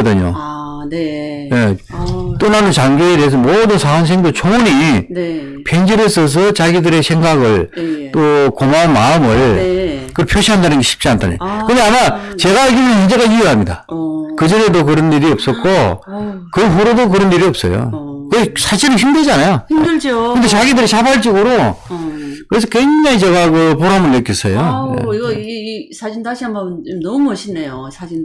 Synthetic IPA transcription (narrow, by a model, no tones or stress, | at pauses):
ʌdɯɲo̰ | je̞ | t͈onanɯnt͡ɕaŋɡeete̞ɦes̬ʰʌmodɯnsʰaaŋs̬ʰeŋdot͡ɕʰouɲi | pʰend͡ʑiɾes͈ʰʌs̬ʰʌt͡ɕaɡidɯɾe̞sʰe̞ŋɡaɡɯɭt͈okomanmaɯmɯɭkɯpʰjoɕʰiɦandanɯnɡe̞ɕʰi̥p̚t͡ɕ͈iantʰan̰ɲokɯɲaamat͡ɕe̞ɡaeɡinɯnend͡ʑeɣaieɦamɲida̰kɯd͡ʑiɾe̞dok̬ɯɾʌnːiɾiʌp̚s͈ʌt̚k͈ʰo | kɯɸuɾodok̬ɯɾʌnːiɾiʌp̚s͈ʌ̰jo̰kɯsʰaɕiɾɯçimdɯɭd͡ʑanajoimdɯd͡ʑokɯnd̪et͡ɕaɡidɯɾit͡ɕabaɭt͡ɕ͈iɡɯɾo | kɯɾe̞sʰʌkwe̞ŋd͡ʑaŋit͡ɕeɡaɡɯpoɾɦamɯnnɯk͈is͈ʰʌjoḛiɡʌsʰad͡ʑindaɕʰiɦambʌmnt͡ɕomnʌmumʌɕʰinːejosʰad͡ʑin